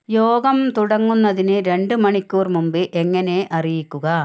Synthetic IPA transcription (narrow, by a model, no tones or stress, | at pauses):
joːɡɐmt̪uɽɐŋːunːɐðinɨɾe̞ɳɖɨmɐɳikʲːuːrmumbɨʔeŋːɐne̞ʔɐrijikʲːuɣɐ